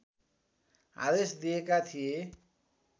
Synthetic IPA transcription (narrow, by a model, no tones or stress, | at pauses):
ɦa̰d̪esd̪ijekat̪ʰije